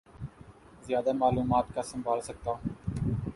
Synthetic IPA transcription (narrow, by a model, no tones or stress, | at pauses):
zɪjaːd̪aːmaːluːmaːt̪kaːsəmbʱaːlsək̚t̪aː